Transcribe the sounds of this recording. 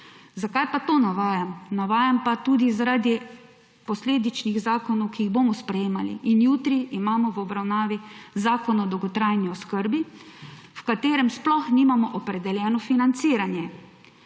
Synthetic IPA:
zakajpat̪onaʋaːjamnaʋaːjampat̪uːd̪izaɾaːd̪i | pɔsleːd̪it͡ʃniɣzaːkɔnɔwkiiɣbomɔspɾɛjeːmalḭʔinjuːt̪ɾiʔːmaːmɔʋɔbɾawnaːʋizaːkɔnɔd̪ɔwɡɔt̪ɾajniɔskəɾbi | wkat̪eːɾɛmsplɔxniːmamɔʔɔpɾɛd̪ɛljɛːnɔfinant̪siːɾanjɛ

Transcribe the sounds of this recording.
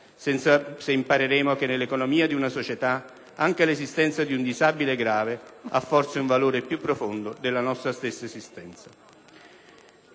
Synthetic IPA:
aseimpaɾeɾeːmokenːelːekonomiːad̪iunasot͡ʃet̪a | aŋk̟elezist̪ɛnt̪sad̪iund̪izabileɛɡɾaːveafːɔrt̪seuɱvaloːɾepjupːɾofond̪od̪elːanɔst̪ɾast̪esːaezist̪ɛnt̪sa

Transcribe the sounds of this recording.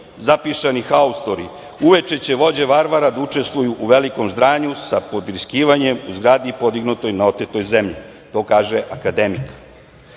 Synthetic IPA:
zapiʃanixaust̪o̞ɾḭ | uʋe̞t͡ʃe̞t͡ɕe̞ʋo̞d͡ʑe̞ʋaɾʋaɾad̪aut͡ʂe̞st̪ʋujuʔuʋe̞liko̞mzd̪ɾaːɲusapo̞d̪vɾiskiːʋaɲe̞muzɡɾaːd̪ipo̞d̪iɡnut̪o̞jnao̞t̪et̪o̞jze̞mʎḭ | t̪o̞ːkaːʒeʔakad̪e̞mik

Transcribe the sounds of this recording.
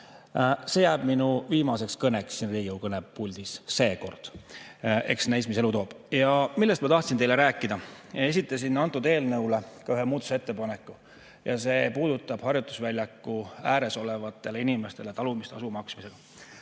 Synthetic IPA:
se̞jæːb̥minuviːmɑse̞kskɤneksːinriːɡiowkɤneppulʲd̪̥isse̞ːko̞rd̪̥ | e̞̰ksnæjsmis̬e̞lut̪o̞ːb̥ | jɑmilːest̪mɑt̪ɑht̪sint̪e̞jle̞ɾæːkːˑid̪̥ɑe̞s̬ʲit̪ˑːɑsinːɑnt̪ːˑud̪e̞ːlnɤwle̞kɑyɦemuːd̪̥u̥see̞t̪ːe̞pɑne̞kːˑu | jɑ̰se̞puːd̪ut̪ːˑɑb̥hɑrjut̪ːˑu̥svælʲjɑkːuæːɾe̞so̞le̞vɑt̪ːˑe̞leinime̞st̪e̞le̞t̪ɑlumist̪ɑsumɑksmise̞ɡ̥ɑ

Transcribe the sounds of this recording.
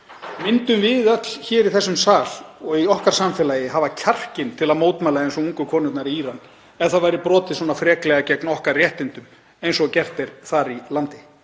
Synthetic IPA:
mɪnt̪ʏmvɪðœt̪l̥çɛːɾiθɛsːʏmsaːl̥ɔɣiɔhkaɾ̥samfɛlajɪɦavacʰar̥cɪnt̪ʰɪlaðmoːwt̪mɛːlaðejnsɔɣuŋkʏkʰvɔːnʏt̪naɾiiːɾan | ɛnθaðvajɾɪpɾɔːt̪ɪ̥sɔːnafɾɛːklɛɣacɛknɔhkaɾrrjɛht̪ɪnt̪ʏm | ejnsɔɣcɛr̥t̪ɪɾ̥θaɾilant̪ɪ

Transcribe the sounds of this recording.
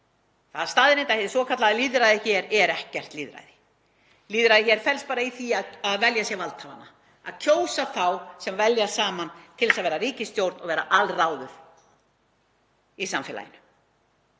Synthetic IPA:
θaðst̪aːðɪɾẽnt̪ahɛðɪsvɔːkʰat̪laðaliːðɾajðɪçɛːɾɛɾɛhcɛr̥t̪liːðɾa̰jðɪ | liːðɾajðɪçɛɾ̥fɛlst̪paːɾaiθiaðaðvɛljasjɛɣvalt̪ʰala̰nːa | a̰ðcʰoːwsaθawsɛmvɛljasaːmant̪ʰɪlɛsaðvɛːɾaɾiːcɪst̪jowɾt̪nɔɣvɛːɾa̰ʔalraːwðʏð̥ | isamfɪla̰jɪ̰nʏ

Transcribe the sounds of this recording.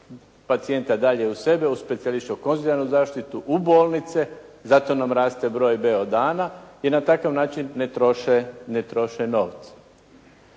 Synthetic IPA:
pat̪sie̞nt̪ad̪aʎeuse̞beuspet̪sialiʃt̪okonzid̪anuzaːʃt̪it̪uʔubo̞ːlˠnit̪sezat̪o̞namɾaːst̪e̞bɾo̞ːjbeod̪aːnainat̪akaʋnaːt͡ʃinːet̪ɾoʃenet̪ɾo̞ʃeno̞ːʋt̪sḁ

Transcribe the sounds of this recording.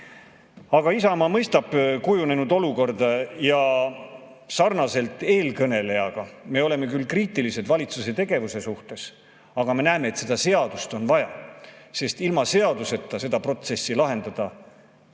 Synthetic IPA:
ɑɡ̥ɑisɑmɑmɤjst̪ɑb̥kujune̞nud̪o̞luko̞rd̪ɑjɑ | sɑrnɑse̞lt̪ˑːe̞ːlkɤne̞le̞jɑɡ̥ɑme̞o̞le̞me̞kylkriːt̪ilise̞d̪̥vɑlʲit̪suse̞t̪e̞ɡ̥e̞vuse̞suht̪e̞s | ɑɡ̥ɑme̞næːmeːt̪se̞d̪ɑse̞ɑd̪̥ust̪o̞nvɑjɑ̰se̞st̪ilmɑse̞ɑd̪use̞t̪ːˑɑse̞d̪̥ɑpro̞t̪se̞sːilɑɦe̞nd̪̥ɑd̪̥ɑ

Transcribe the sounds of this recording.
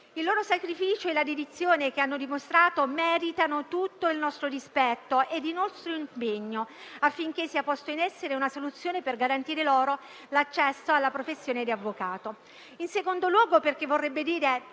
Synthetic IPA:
ilːoːɾosakɾifiːt͡ʃoelad̪ed̪it̪sːjoːnek̟eanːod̪imost̪ɾaːt̪omɛːɾit̪anot̪ut̪ːoilnɔst̪ɾodispɛt̪ːoʔed̪inɔst̪ɾoimpeɲːoafːiŋk̟esːiːapɔst̪oinɛsːeɾeunasolut̪sːjoːneperɡaɾant̪iːɾeloːɾo | lat͡ʃːɛsːoalːapɾofesːjoːned̪iavːokaːt̪o | insekond̪olwɔːɡoperk̟evːorːɛbːed̪iːɾe

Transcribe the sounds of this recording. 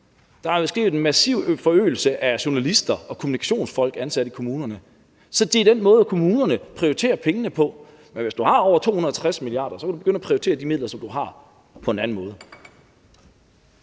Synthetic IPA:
d̥ɑ̈hɑ̥esɡ̥ʁḭːð̩ˠenmæsḭʊ̰fɒ̽ø̰ːl̩səʔæɕo̝nælisd̥ɐɒ̽kʰomunikʰæ̥ɕo̝̰ːnsfɒ̽l̰ɡ̥ænsæɾ̥əikʰo̝muːnɐnə | sɒ̽d̥e̝æd̥enmɔ̽ːðˠækʰo̝muːnɐnəpʰʁioit͡sʰe̝̰ːɐpʰeŋənəpʰɒ̽ | menʋesd̥uhɑ̈ɒʊ̰ɐt͡sʰo̝̰ːhunɐt͡sʰʁasmilijɑ̰̈ːd̥ɐsɒ̽kʰædube̝ɡøn̰əæpʰʁioit͡sʰe̝̰ːɐd̥imið̰ˠlɐsɒ̽md̥uɦɑ̈ | pʰɒ̽e̝næn̩mɔ̽ːð̞̩ˠ

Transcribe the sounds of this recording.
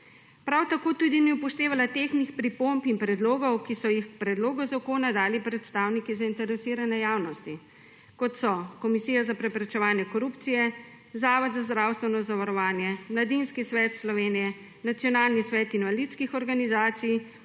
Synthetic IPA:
pɾawt̪akoːt̪uːd̪iniupɔʃt̪eːʋalat̪exnixpɾipompinpɾɛd̪loːɡɔwkisɔjixpɾɛd̪loːɡɔzakoːnad̪aːlipɾɛt̪st̪aːwnikizaint̪ɛɾɛsiːɾanɛjaːwnɔst̪i | kɔt̪sɔkɔmisiːjazapɾɛpɾɛt͡ʃɛʋaːnjɛkɔɾupt̪sijɛ | zaːʋɔd̪zazd̪ɾawst̪ʋɛnɔzaʋaɾɔʋaːnjɛmlad̪inskisʋɛːt̪slɔʋeːnijɛ | nat̪sijɔnaːlnisʋɛːt̪inʋalit̪skixɔɾɡanizaːt̪sij

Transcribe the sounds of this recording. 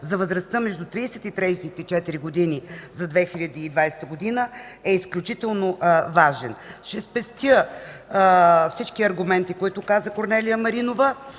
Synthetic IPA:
zɐvəzɾɐst̪əmɛʒd̪ut̪ɾiːsɛt̪it̪ɾɛjsit̪ɛt͡ʃɛt̪iɾiɡod̪inizɐd̪vɛxilʲɐd̪iːd̪vajsɛ̥t̪əɡod̪inəɛisklʲut͡ʃit̪ɛlˠnovaʒɛnʃɛspɛst̪jə | fsit͡ʃkiɐɾɡʊmɛnt̪ikoit̪ʊkazəkoɾnɛlijəmɐɾinovə

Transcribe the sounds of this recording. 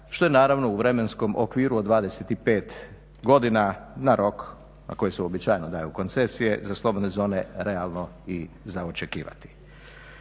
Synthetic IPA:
ʃt̪o̞jenaːɾaʋno̞uʋɾe̞me̞nsko̞mʔo̰kʋiːɾuod̪ʋaːd̪e̞set̪ipe̞ːt̪ | ɡo̞d̪inanaɾo̞k | na̰ko̞jeseobit͡ʃaːjnod̪aːjuko̞nt̪se̞sije̞zaslˠo̞bo̞d̪ne̞zo̞ːne̞ɾe̞alˠno̞i | zaot͡ʃe̞kiːʋa̰t̪i̥

